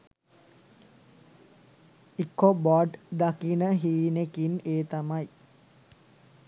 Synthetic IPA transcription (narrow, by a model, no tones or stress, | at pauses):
ikːobɔɖd̪akinəɦiːnekineːt̪amaj